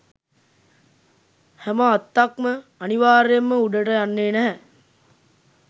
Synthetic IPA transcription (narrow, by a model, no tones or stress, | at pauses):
hæməat̪ːakməaniʋaːɾjemːəuɖəʈəjanːeːnæɦɛ